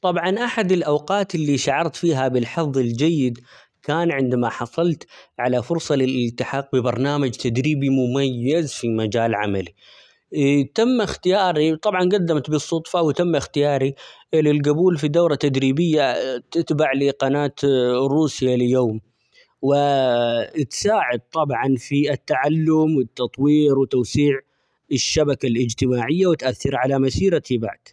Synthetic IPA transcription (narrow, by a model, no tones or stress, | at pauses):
t̪ˤɑbʕɑnʔaħad̪ɪlʔawqɑːt̪ɪlːiʃaʕɑɾˤt̪fiːɦabɪlħɑðˤːɪld͡ʒajːɪd̪ | kaːnʕɪnd̪amaħɑsˤɑlt̪ʕalafʊɾsˤɑlɪlʔɪlt̪ːɪħɑːq̚bɪbɑɾˤnaːmad͡ʒt̪ad̪ɾiːbimʊmajːazfimad͡ʒaːlʕa̰mali | t̪amːaxt̪ɪjɑːɾit̪ˤɑbʕɑnɡad̪ːamt̪bɨsˤːʊt̪ˤfawɪt̪amːɪxt̪ɪjɑːɾi | ɪlːɪlɡʊbuːlfid̪awɾat̪ad̪ɾiːbɪjːat̪ɪt̪baʕliqɑnaːt̪ɾuːsɪjaljoːm | wɪ | t̪saːʕɪd̪̚t̪ˤɑbʕɑnfiɪt̪ːaʕalːʊmwɪt̪ːɑt̪ˤwiːɾwɪt̪owsiːʕ | ɪʃːabakalʔɪd͡ʒt̪ɪmaːʕɪjːawɪt̪ʔaθːɪɾʕalamasiːɾat̪iba̰ʕd̪̥